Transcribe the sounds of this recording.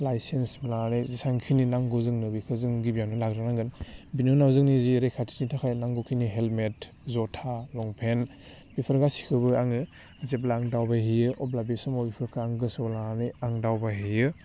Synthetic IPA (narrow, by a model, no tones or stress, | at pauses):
lajsensblanizisaŋkʰininaŋɡɔzɯŋnɯbikʰɯzɯŋɡibijamnɯlakɾɯnaŋɡɯnbinunawzɯŋniziɾekʰatʰi̥snitʰakʰajnaŋɡɔkʰiniɦelmet | zɔtʰalɔŋpʰen | bipʰɯɾɡasi̥kʰɯbɯaŋɯ | zeb̬laːŋdawbaɦijɯʔɔblabesɔmɔbipʰɯɾkʰaːŋɡɯsɔblaniaŋdawbaɦijɯ